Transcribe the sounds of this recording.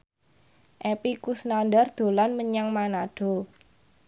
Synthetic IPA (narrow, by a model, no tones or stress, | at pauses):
ʔepikusnandard̪̥o̤lanməɲaŋmanaɖ̥o̤